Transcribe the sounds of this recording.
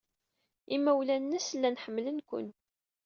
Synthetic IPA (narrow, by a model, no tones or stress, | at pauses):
imːæwlænːəslːænħəmːlənkʷʊ̰n